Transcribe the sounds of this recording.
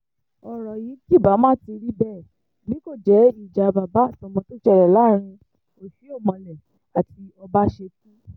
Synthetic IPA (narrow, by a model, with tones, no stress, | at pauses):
ɔ˨ɾɔ˨ji˨˦ki˦˨ba˨˦mãː˦˨ti˧ɾi˦bɛ˦˨ | nĩ˦ko˦˨d͡ʒɛ˨˦i˦˨d͡ʒa˨˧ba˨ba˨˦a˦˨tɔ̃˧mɔ̃˧to˦t͡ʃɛ˦˨ɾɛ˨la˨˦ɾ̃ĩ˧ | o˨fi˨˦o˦˨mɔ̃˧lɛ˨ | a˨ti˧ɔ˧ba˦ʃe˧tĩ˦